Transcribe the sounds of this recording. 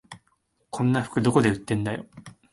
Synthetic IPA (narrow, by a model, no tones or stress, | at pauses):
kʰõ̞nːaɸɯ̥kɯ̟d̪o̞ko̞d̪e̞ɯ̟t̪ːẽ̞nd̪ajo̞̰